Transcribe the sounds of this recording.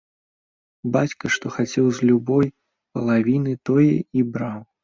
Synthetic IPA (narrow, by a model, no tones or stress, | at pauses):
bat͡sʲkɐʂt̪ɔxat͡sʲɛwzʲlʲubɔj | pɐlˠavʲinɨt̪ɔjɛ̰ibɾaw